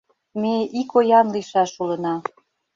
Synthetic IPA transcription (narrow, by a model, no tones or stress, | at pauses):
meikojɑnliʃɑʃulɤ̆nɑ